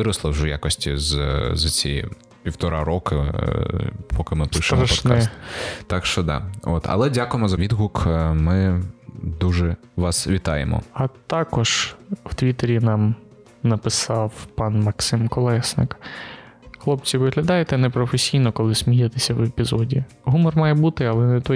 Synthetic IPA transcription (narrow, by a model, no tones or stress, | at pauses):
ɪɾɐslˠɐwʒɛja̰kɔsʲtʲizzɐt͡sʲḭ | pʲiwt̪ɔɾɑ̰ɾɔkɪ | pʰɔkɪmɪp̪ˠɪʃɪt̪mɾɐʃpɔt̪nk̪ɛst̪ɑkʃt͡ʃɔd̪ɑ̰o̰t̪ʰɐ̰lˠɛdʲakʊjemɔzɐʋʲid̪ɦukmɪ | d̪uʒɛ | ʋɑsʋʲit̪ɑjḛmɔ̰ɐt̪ɑkɔʒ̥wt̪ʋʲit̪eɾʲinɑm | nɐpɪsɑwpɑnmɐksɪmkɔlˠɛsnɪ̰k | xlˠɔpt͡sʲiʋɪɦlʲɐd̪ɑjet̪ɛnɛpɾɔfesʲijnɔkɔlˠɪsʲmʲijet̪esʲɐwepʲizɔdʲi | ɦumɔrmɑjɛbut̪ɪɐlˠɛnɛt̪ɔ